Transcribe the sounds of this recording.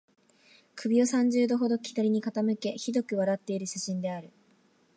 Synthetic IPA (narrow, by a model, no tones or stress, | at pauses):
kʰɯ̟bʲio̞sãɲ̟d͡ʑɨːd̪o̞ɦo̞d̪o̞kʲi̥t̪aɾʲiɲ̟ikat̪amɯ̟ke̞çid̪o̞kɯ̟βaɾat̪ːe̞iɾɯ̟ɕaɕĩnd̪e̞aɾɯ̟